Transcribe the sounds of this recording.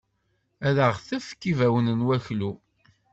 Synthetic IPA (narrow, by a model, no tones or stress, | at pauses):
æðəʁθæfə̥kːivæwənənwæçlu